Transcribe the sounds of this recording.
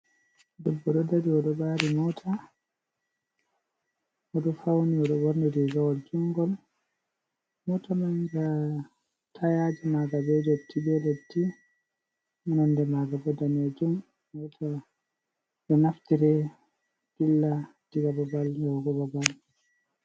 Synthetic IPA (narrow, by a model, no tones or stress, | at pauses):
dɔbːɔɗɔdadiɔɗɔbaːɾimɔtʰa | ɔɗɔfawniɔɗɔbɔɾnɛdɛɡawɔld͡ʒuŋɡɔl | mɔtamaɲd͡ʒa | tʰajad͡ʒɛmaɡabɛd͡ʒɔtʰːibɛletːi | manandɛmaɡabɔdanɛd͡ʒum | mɔtʰa | ɗɔnaftiɾɛ | d̥ilːad̥iɡababalɛɡɔbabal